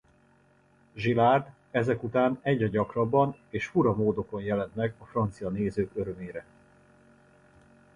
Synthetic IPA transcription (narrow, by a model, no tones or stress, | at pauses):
ʒilaːrd̪ | ɛzɛkut̪aːnɛɟɒɟɒkrɒbːɒneːʃfuɾɒmoːd̪o̞ko̞njɛlɛnt̪mɛɡɒfrɒnt̪sijɒneːzøːkøɾø̞meːɾɛ